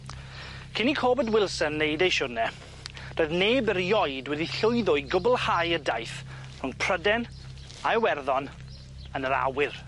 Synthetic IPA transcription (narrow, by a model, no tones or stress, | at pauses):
kʰɪnikʰoːbədwɪlˠsənːejdejʃʊrnɛ | d̥oːɨðneːbəɾjɔjdwɛdiɬʊɨðɔɨɡʊbl̩ˠhajədajθ | r̥ʊŋpʰr̥ədɛn | aəwɛrðɔn | ənəɾa̰wɪr